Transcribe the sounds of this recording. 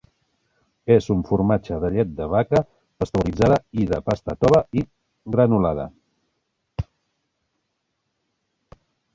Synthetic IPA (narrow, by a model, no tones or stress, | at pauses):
ezuɱfuɾmad͡ʒəðəʎɛt̪̚d̪əβakə | təst̪əuɾid͡zaðəiðəpast̪ət̪ɔβəi | ɣɾənulað̞ə̰